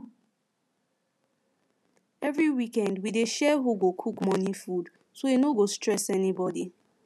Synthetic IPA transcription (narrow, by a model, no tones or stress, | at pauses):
ɛvɹiwikɛ̃ndwideʃɛɦuɡokʰukmɔ̃nifud | soenoɡostɹɛsɛnibɔdi